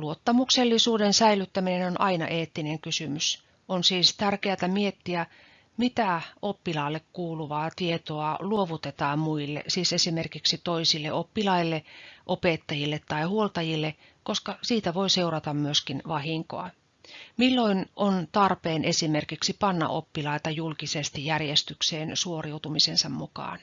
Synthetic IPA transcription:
luot̪ːɑmukselːisuːdensæilyt̪ːæminenonʔɑinɑ̰ʔeːt̪ːineŋkysymys | onsiːst̪ærkeæt̪æmiet̪ːiæ | mit̪æopːilɑːlːekkuːluʋɑːt̪iet̪oɑluoʋut̪et̪ɑːmmuilːḛsiːsesimerkiksit̪oisilːḛʔopːilɑilːeʔopet̪ːɑjilːet̪tɑihuolt̪ɑjilːe | koskɑsiːt̪æʋoiseurɑt̪ɑmmyøskinʋɑhiŋko̰ɑ̰ | milːoinont̪ɑrpeːnʔesimerkiksipɑnːɑ̰ʔo̰pːilɑit̪ɑjulkisest̪ijjærjest̪ykseːnsuoriut̪umisensɑmmukɑ̰ːn

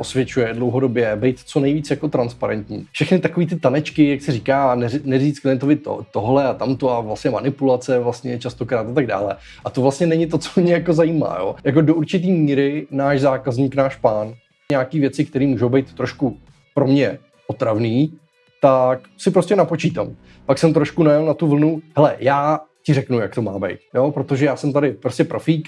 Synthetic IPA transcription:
ʔosvjɛt͡ʃujɛdlowɦo̞do̞bjɛbɛjt̪t͡sonɛjviːt͡sjako̞t̪ɾanspaɾɛnt̪ɲiːfʃɛxnɪt̪ako̞viːt̪ɪt̪anɛt͡ʃkɪjaksɪɾiːkaːnɛnɛziːt͡sklɪɛnt̪ovɪt̪o̰t̪oɦlɛat̪amt̪oavlast̪ɲɛmanɪpulat͡sɛvlast̪ɲɛt͡ʃast̪o̞kɾaːt̪ʔat̪aɡ̚da̰ːlɛ | ʔat̪ovlast̪ɲɛnɛɲɪt̪o̞t͡so̥mɲɛjakozajima̰ːjo̰jak̬o̞douɾt͡ʃɪt̪̬iːmiːɾɪnaːʃzaːkazɲiːknaːʃpaːn | ɲaːkiːvjɛt͡sɪkt̪ɛɾiːmuːʒowbɛjt̪ːɾo̞ʃku | pɾo̞mɲɛ | ʔo̞t̪ɾavniː | t̪ak | sɪpɾo̞scɛnapo̞t͡ʃiːt̪a̰m | paksɛmt̪ɾo̞ʃkunajɛlnat̪uvl̩nuɦɛlɛ̰jaːcɪrɛknujakt̪o̞maːbɛ̰jt̪̚jo̞pɾot̪o̞ʒɛjaːsɛmt̪adɪpɾoscɛpɾofiːk

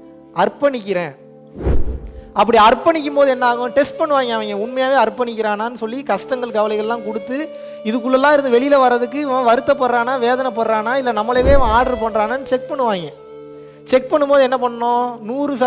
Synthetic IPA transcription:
ɐrpːɐɳɪk̬ʲːɪɾẽː | ɐp̬ːɐɽiɐɾpːɐɳɪk̬ʲːɯmpoːðɯɛnːaːɣʊ̃ʈɛsʈ̚pɐɳːɯʋaːŋɡɐ̃ɐʋɐŋɡẽʊnmɐjaːʋeːɐɾpːɐɳɪkːɪɾaːnaːnːɯsɔlːikɐʂʈɐŋɡɐɭkɐʋɐlɐɪɣɐɭɛlːãːkɔɽɯt̪ːɯ | ɪðɯk̬ːɯɭːɐlːãːɪɾɯnd̪ɯʋɛɭɪjɪlɐʋɐɾːɐðɯk̬ːɯɪʋɐ̃ʋɐɾɯt̪ːɐpːɐɾɾaːnaːʋeːðɐnɐpːɐɾɾaːnaːɪlːɐnɐmːɐleʋeːʋɐ̃aːɽɾɯpɐɳraːnɐnːɯt͡ʃɛk̚pɐɳːɯʋaːŋɡẽ | t͡ʃɛk̚pɐɳːɯmpoːðɯɛnːɐpɐɳːɐnõːnuːɾɯsɐ

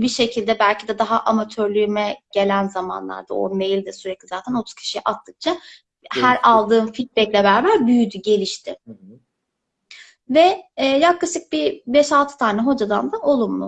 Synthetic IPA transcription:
biʃecʰilʲd̪ɛbælʲcʰid̪ɛd̪aɦaʔamat̪ʰøɾlʲymɛɟ̥e̞lʲænzama̰nlˠa̰ɾd̪ao̰nmejilʲd̪ɛsyɾɛc̚lʲizaːt̪ʰænot̪ʰu̥z̥cʰi̥ʃijɛʔat̪ʰːɯk̚t͡ʃʰa | hæɾalˠd̪ɯːnfit̪̚bɛclʲebæɾvaɾbyjyd̪yɟe̞lʲiʃt̪ʰɪ | vɛːjaklˠaʃɯk̚bibɛʃalˠt̪ʰɯ̥t̪ʰaːnɛɦo̞d͡ʒad̪a̰nd̪aʔo̞lˠumlˠʊ̰

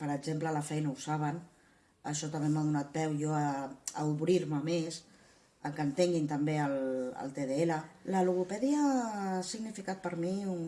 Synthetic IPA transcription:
pəɾəɡzemplələfɛjnəusaβən | əʃɔt̪əmbemaðunat̪̚bɛwjɔəəuβɾiɾməmes | əŋkənt̪eŋɡint̪əmbeələ̰lˠt̪eðeelələluɣupɛðiəsiɣnifikat̪̚pəɾmiun

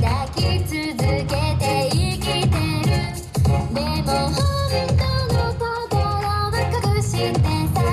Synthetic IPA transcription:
j̪akʲit͡sɨzɨke̞t̪eikʲit̪eɾɯ | d̪emohoment̪onot̪od̪oɾomakːakɯɕid̪et̪a

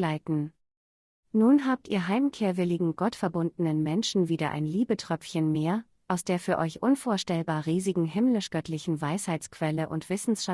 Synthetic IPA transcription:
laɪtn̩ | nuːnɦaːp̚tʰiːɐɦaɪmkʰeːɐvɪlɪɡŋ̩ɡ̥ɔtfɛɐbʊndn̩ənmɛnʃn̩viːdɐʔa̰ɪnliːbətʁ̥œp͡fçənmeːɐ | ʔaʊsd̥eːɐfyːɐʔɔʏçʔʊnfoːɐʃtɛlbaːɐʁiːzɪɡŋ̩ɦɪmlɪʃɡ̥œtʰlɪçn̩vaɪshaɪt͡skv̥ɛləʔʊ̰ntv̥ɪsn̩sʃa

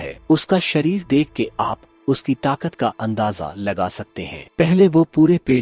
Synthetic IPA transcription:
ɦɛ̰ːʊskaʃɐɾiːɾd̪eːkʰkːeʔaːp | ʊskit̪aːkət̪kaʔɐ̃nd̪aːza̰lɐɡasɐk̚t̪eɦɛ̰̃ːpɛɦleʋopuːɾepeː

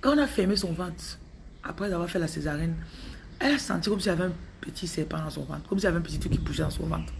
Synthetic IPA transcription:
kãɔ̃nafɛmesɔ̃vãt̪ | a̰pχɛzavwaːʁfɛlasezaʁɛn | ɛlasɑ̰̃t̪ikɔmsiɛlavɛɛ̃pøt̪ʰisɛpãd̪ɑ̃sɔ̃vɑ̰̃t̪kɔmsilavɛ̃p̬øtit̪ʰukipuʃɛd̪ãsɔ̰̃vɑ̰̃t̪

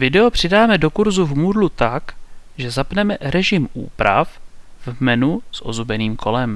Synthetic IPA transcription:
vɪdɛopr̝̥ɪdaːmɛdo̞kuɾzuvmudlut̪akʒɛzapnɛmɛɾɛʒɪmʔṵːpɾa̰fvmɛnusʔo̞zubɛniːmkʰo̞lɛm

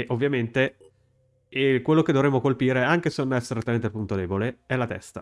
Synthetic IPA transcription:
ʔovːjament̪e | ekwelːoked̪ovɾemːokolpiːɾeaŋk̟eseonɛseɾet̪ːament̪elpunt̪od̪ɛːboleɛlːat̪ɛ̰st̪a

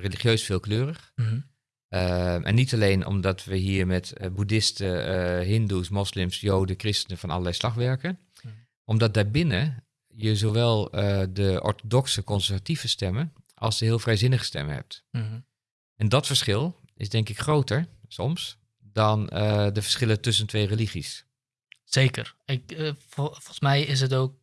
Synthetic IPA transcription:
reliχjøːsfɪːlˠkløːrəx | ʔɛ̰nːitaleːnʔɔ̰mdɔtʋəɦiːɹmɛtbudɪstəɦɪndusmɔslɪmsjoːdəkrɪstənəfɔnʔɔ̰lˠəlɛjslɑxʋɛɹkən | ɔmdɔt̚daːɹbɪnə | jəzoʋɛlˠədəʔɔ̰ɹtodɔksəkɔnsəɹvativəstɛməʔɑ̰lˠsjəɦɪəlˠfrɛjzɪnəxə̥stɛ̰məhɛ̰p̚t | ɛndɔtfəɹsχɪlˠɪsdɛŋkɪkxroːwtəɹsɔms | dɔndəfəɹsχɪlˠətɵs̬əntʰʋeːreliɣis | seːkərɪk | fosmɛjɪs̬ətoːk̚

